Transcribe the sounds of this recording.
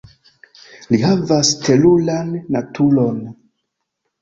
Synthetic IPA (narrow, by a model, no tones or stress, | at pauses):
liɦavastelulanːatʰulo̞n